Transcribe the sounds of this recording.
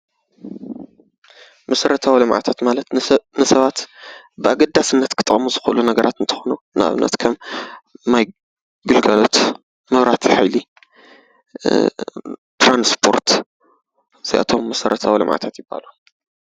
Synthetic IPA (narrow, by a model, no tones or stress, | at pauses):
mɐsɐɾɐt̪ʰawilɨmʕa̰t̪ʰat̪malɐt̪nɨsɐβat̪ | bɨʔaɡɐd̪ːasɨnːɐt̪kʰɨt̪ʼɨmuzɨxʔɨlunɐɡɐɾʔat̪ɨnt̪ʰɨ̥xonu | na̰βɨ̰nːɐ̰t̪kʰɐmː | aj | ɡɨlɡɐlo̞t̪ | mɨβɾat̪ʰiħajli | t̪ɾanspʰo̞̰ɾt̪ | z̥ijʔa̰t̪ʰo̞mːɐsɐɾʔɐt̪ʰawilɨ̰mʕa̰t̪ʰat̪jɪbːa̰lu